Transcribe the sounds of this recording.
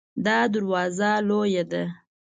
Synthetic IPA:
d̪ɑd̪aɾwɑzalojad̪a

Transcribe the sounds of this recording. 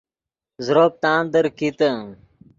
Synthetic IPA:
zɾoːp̚t̪aːnd̪əɾkit̪ə̃

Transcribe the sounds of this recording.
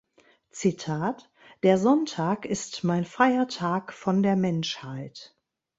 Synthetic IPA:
t͡sitʰaːt | d̥eːɐzɔntʰaːkɪstmaɪnfʁ̥aɪɐtʰaːkfɔndeːɐmɛnʃhaɪt

